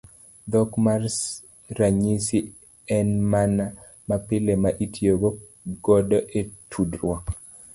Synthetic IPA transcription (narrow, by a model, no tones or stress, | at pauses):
d̪ɔkmars | ɾaɲisi | ɛnmana | mapɪlemaʔitʰjoɡo | ɡɔdɔʔetʰudrwɔk